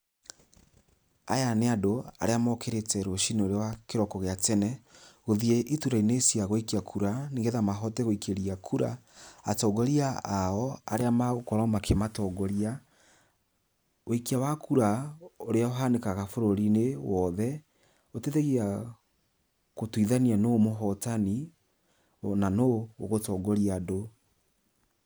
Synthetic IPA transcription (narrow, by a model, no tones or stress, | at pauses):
a̰janeadoa̰ɾeamɔkʰeɾetɛɾoʃineoɾewakeɾɔkɔɣeatɛnɛɣoðiɛʔituɾainesiaɣoikiakʰuɾaniŋɡeðamaɦɔtɛɣoikeɾiakʰuɾa̰atɔɡɔɾiaaɔa̰ɾeamaɣokɔɾɔmakʰematɔɡɔɾia | wekiawakuɾaoɾeaoɦanekaɣafoɾoɾinewɔðɛ | oteðeɣia | kotwiðanianomoɦɔtani | nanooɣotɔːɡɔɾiado